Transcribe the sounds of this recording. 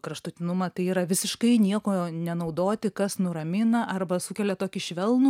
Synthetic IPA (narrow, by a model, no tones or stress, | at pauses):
kɾɐʃt̪ʊt̪ʲɪnʊmɐt̪ɐɪiːɾɐʋʲɪsʲɪʃkɐɪnʲiɛkoːnʲɛnɐʊd̪oːt̪ʲɪkɐsnʊɾɐmʲɪnɐʔɐrbɐsʊkʲɛlʲɛt̪oːkʲɪʃʲʋʲɛlˠnuː